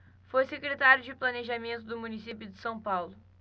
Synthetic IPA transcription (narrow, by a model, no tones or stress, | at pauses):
fojsekɾet̪aɾjʊd͡ʒɪplɐneʒɐmẽnt̪ʊd̪ʊmunisipjʊd̪ɪsɐ̃w̃pawlʊ